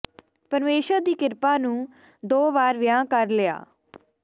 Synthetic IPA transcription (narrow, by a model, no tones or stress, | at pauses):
pəɾmeːʃəɾd̪iːkɪɾpaːnũː | d̪oːʋaːɾʋɪjãːkəɾlɪa̰ː